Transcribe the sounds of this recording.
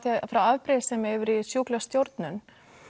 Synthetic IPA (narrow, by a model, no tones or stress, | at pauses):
θiafɾawavpɾɪðsɛmɛvʏɾisjuːklast̪jowɾt̪nʏn